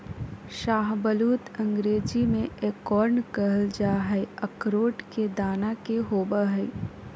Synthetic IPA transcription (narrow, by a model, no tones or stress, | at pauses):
ʃaːɦbəluːt̪ɐ̃ŋɡɾeːd͡ʒimẽeːkɔːɾnkəɦəld͡ʒaːɦɛiəkɾoːʈked̪aːnakeɦoːbəɦɛi